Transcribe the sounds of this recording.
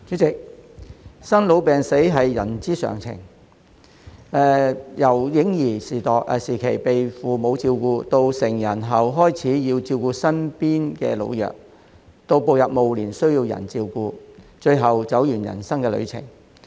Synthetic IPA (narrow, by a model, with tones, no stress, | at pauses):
t͡ʃyː˨˥t͡sɪ˨k̚ | sɐ˥nlo˨˧wpɛː˨ŋse˨˥jɦɐ˨jːɐ˨˩nt͡siː˥sœ̰ː˨˩ŋt͡sʰɪ̰˨˩ŋ | ɛː˨˩jɐ˨˩wjɪ˨˥ŋjiː˨˩siː˨˩t̪ɔː˨˩k̚ʔɛ̰˨˧siː˨˩kʰe˨˩jpe˨jfuː˨mo˨˧wt͡siː˧wkuː˧t̪o˧wsɪ˨˩ŋjɐ˨˩nɦɐ˨wɦɔː˥jt͡sʰiː˨˥jiː˧wt͡siː˧wkuː˧sɐ˥npiː˥nkɛː˧lo̰˧wjœ̰ː˨k̚ | t̪o˧wpo˨wjɐ˨p̚mo˨˧wliː˨˩nsɵ˥ɥjiː˧wjɐ̰˨˩nt͡siː˧wkuː˧t͡ʃɵ˧ɥɦɐ˨wt͡sɐ˨˥wjyː˨˩njɐ̰˨˩nsɐ˥ŋkɛː˧lɵ̰˨˧ɥt͡sʰɪ̰˨˩ŋ